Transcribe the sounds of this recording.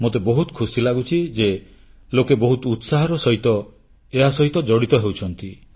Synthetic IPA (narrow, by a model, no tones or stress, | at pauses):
mot̪̬ebɔɦut̪ɔ̥kʰusilaɡut͡ʃʰid͡ʒe | lokebɔɦut̪ut̪saɦɔɾɔsɔɦit̪ɔ | eɦasɔɦit̪ɔd͡ʒɔɽit̪ɔɦewt͡ʃʰɔnt̪i